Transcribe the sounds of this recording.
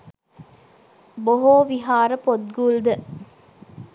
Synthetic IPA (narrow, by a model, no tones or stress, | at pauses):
boɦoːʋiɦaːɾəpot̪̚ɡuld̪ə